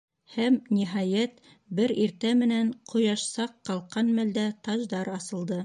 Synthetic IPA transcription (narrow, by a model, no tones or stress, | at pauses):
hæmniɦɑjæt̪ | bɘɾiɾt̪æmɘ̆næɴqʰŏjɑʃsɑqːɑlˠqɑnmæld̪æt̪ɑʒd̪ɑɾɑsɤ̆lˠd̪ɤ